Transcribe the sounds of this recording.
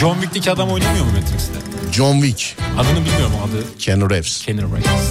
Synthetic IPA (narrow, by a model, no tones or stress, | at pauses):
d͡ʒonvic̚d̪ecʰiad̪amo̞jnamɯjo̞ɾmumet̪ɾicsid̪ɛ̰d͡ʒonvicad̪ɯnɯbilʲmijo̞ɾmaad̪ɯcʰenuɾɛfscʰenuɾɾa̰jt̪s